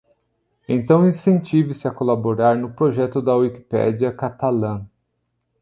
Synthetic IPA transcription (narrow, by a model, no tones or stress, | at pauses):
ẽt̪ɐ̃w̃ĩsẽnt͡ʃivɪsɪɐkolaboɾaɾnʊpɾoʒɛt̪ʊd̪ɐwiki̥pɛ̰d͡ʒiɐkat̪alɐ̃